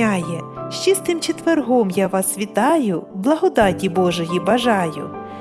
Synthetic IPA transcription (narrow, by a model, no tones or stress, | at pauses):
ɑjɛʃt͡ʃist̪ɪmt͡ʃet̪ʋerɦɔmjaʋɑsʋʲit̪ɑjʊblˠɐɦɔd̪ɑtʲibɔʒɔjibɐʒɑjʊ̰